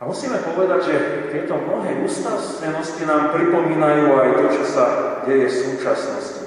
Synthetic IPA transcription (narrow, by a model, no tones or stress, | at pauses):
amusiːmɛpɔʋɛd̪aɟʒɛt̪ɪɛt̪ɔmnɔɦɛːuːst̪asɛnɔscinaːmpɾipɔmiːnajuːajt̪ɔt͡ʃɔsaɟɛjɛfsuːt͡ʃasnɔ̰sci